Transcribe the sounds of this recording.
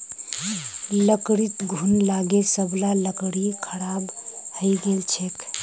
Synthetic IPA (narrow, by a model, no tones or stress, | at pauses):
ləkɽit̪ɡʱunlaɡesəblaləkɽikʰəɾabhəjɡelt͡ʃʰek